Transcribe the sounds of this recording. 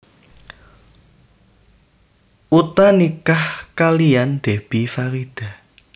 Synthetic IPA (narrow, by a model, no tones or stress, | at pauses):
ʔut̪anikahkalijand̪̥e̤b̥ifaɾid̪̥a̤